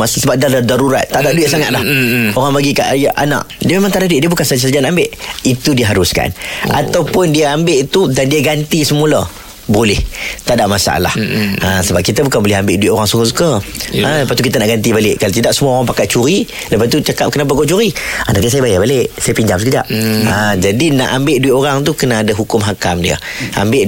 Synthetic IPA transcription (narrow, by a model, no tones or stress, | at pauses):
massəbap̚daladaɾuɾat̪ːaʔdaʔduɪʔsaŋat̪̚lahoɾaŋbaɡika̰ʔajaʔa̰na̰ʔdiəmemãŋt̪adahduɪʔ̚diəbukansad͡ʒsad͡ʒanambɪʔit̪udiəɦaɾʊska̰na̰t̪awpʊndiəambɪʔt̪udandiəɡant̪isəmulə | bolɛht̪adaʔmasa̰a̰la̰həsəbap̚kit̪əbukanbolɪɦambɪʔduiʔ̪oɾaŋsuŋʊs̬u̥kəələpaʔt̪ukit̪̬ənaʔɡant̪ibalɪʔkalat̪idaʔsəmuaoɾaŋpakaʔ̚t͡ʃuɾi | ləpatt̪ut͡ʃakap̚kənap̬akoʔt͡ʃuɾianat̪isajəbajabaleʔsajəpiɲd͡ʒaŋmsəkəd͡ʒa̰ʔ̚əd͡ʒadina̰ʔambɪʔduɪʔ̪oɾaŋt̪̬ukənaːdaɦukʊmɦakamdiə̰a̰mbɪʔ